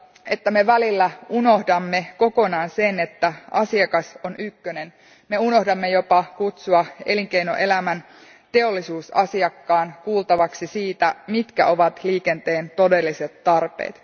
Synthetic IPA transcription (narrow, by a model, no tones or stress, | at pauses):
et̪ːæme̞ʋælilːæuno̞hdɑmːe̞ko̞ko̞nɑːnsenet̪ːæɑsiɑkɑsonykːønen | me̞uno̞hdɑmːejo̞pɑkut̪suɑeliŋkeino̰ʔe̞læmæn | t̪e̞o̞lːisuːsɑ̰siɑkːɑːnkuːlt̪ɑʋɑksisiːt̪æmit̪kæ̰ʔo̞ʋɑt̪liːkent̪e̞ːnt̪o̞de̞lːiset̪ːɑrpḛːt̪